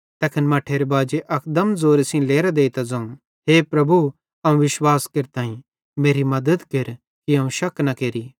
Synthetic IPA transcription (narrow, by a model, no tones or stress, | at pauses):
t̪ɐkʰɪnmɐʈʰeːɾebaːd͡ʒeʔɐkd̪əmzoːɾesĩleːɾad̪eːit̪ɐd͡zɐ̃ũ | ɦeːpɾɐbu | ɐũʋɪʃwaːskeɾt̪aːĩ | meːɾimɐd̪əd̪keɾ | kiɐ̃ːũʃɐknɐkeːɾiː